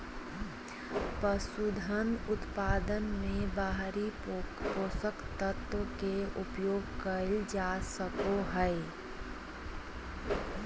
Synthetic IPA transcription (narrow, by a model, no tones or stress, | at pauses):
pəsud̪ʱənʊt̪paːd̪ənmẽbaːɦɾipoːsəkt̪ət̪wəkeʊpjoːɡ̚kəld͡ʒaːsəkoɦɛe